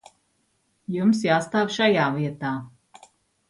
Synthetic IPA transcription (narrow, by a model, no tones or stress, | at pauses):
jumsjaːst̪aːvʲʃajaːviɛt̪aː